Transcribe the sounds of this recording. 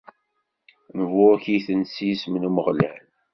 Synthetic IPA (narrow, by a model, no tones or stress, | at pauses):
nəvʊçijθənsismnuməʁlæl